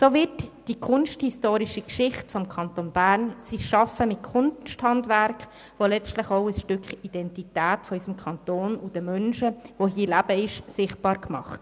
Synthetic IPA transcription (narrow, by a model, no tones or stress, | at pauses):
sovɪtd̥ikʰʊnʃthistoːɾiʃikʃɪχtfɔmkʰɑntonb̥æɾnsiʃɑfəmɪt̚kʰʊnʃthɑndvæɾk | ʋolɛt͡stləχoʊəsʃtʏkχid̥ɛntitæːtfɔysəmkʰɑnt̪oːnʊd̥əmœnʃəʋoɦiːlæb̥əɪʃsɪχt̚b̥ɑːɾkmɑ̰χt